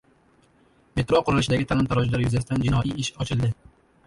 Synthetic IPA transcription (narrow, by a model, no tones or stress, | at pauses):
met̪ɾoqʰʊɾɪlɪʃɪd̪aɡʲɪt̪ʰanɪmt̪ʰaɾɒd͡ʒlaɾɪjʊzast̪and͡ʒɪnɒʔiɪʃɒt͡ʃʰɪld̪ɪ